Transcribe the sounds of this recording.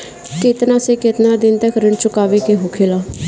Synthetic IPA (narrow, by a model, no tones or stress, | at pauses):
kɪt̪nãːseːkɪt̪nãːd̪ɪnt̪əkʰɾɪɳt͡ʃʊkaːʋeːkeːɦoːkʰeːlaː